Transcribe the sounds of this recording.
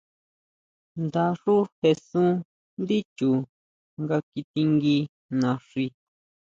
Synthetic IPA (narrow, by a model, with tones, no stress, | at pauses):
nd̪a˧ʂu˦he˧sũ˦ | nd̪i˦t͡ʃu˨ | ŋɡa˧ki˧t̪i˧ŋɡi˧ | nã˨˧ʂi˧